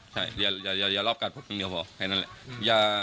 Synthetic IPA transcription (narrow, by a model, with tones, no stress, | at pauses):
t͡ɕʰa˥˩jjaː˨˩jaː˨˩jaː˨˩jaː˨˩lɔː˥˩p̚ka˨t̪̚pʰa˧˩kʰɯ˧˥˩ni˧˦pʰɔ˧˩kʰa˧˩naː˦˥lɛ̰˧˩jaː˨˩